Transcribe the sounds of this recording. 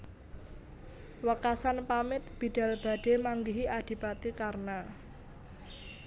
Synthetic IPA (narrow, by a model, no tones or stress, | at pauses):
wəkasanpamɪt̪̚b̥i̤d̥a̤lb̥a̤ɖ̥e̤maŋɡiɦiʔad̥i̤pat̪ikarna